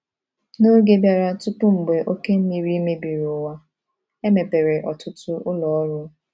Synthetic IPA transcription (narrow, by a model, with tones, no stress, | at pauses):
no˦ɡe˦bja˨ɾa˦tʊ˦pʊ˦m̩˨ɡ͡be˨ʔo˦ke˦m̩˦mi˨ɾi˦me˦bi˨ɾʊ˨wa˦ | e˦me˨pe˨ɾe˨ʔɔ˨tʊ˦tʊ˦ʊ˦lɔ˨ɔ˦ɾʊ˦